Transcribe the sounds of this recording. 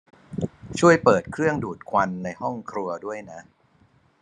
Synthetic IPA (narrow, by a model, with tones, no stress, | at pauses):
t͡ɕʰu˥˩əjpɤː˨˩t̪̚kʰɾɯ˥˩əŋduː˨˩t̪̚kʰwa˧nːa˧jɦɔ˥˩ŋkʰɾu˧ɐdu˥˩əjna˦˥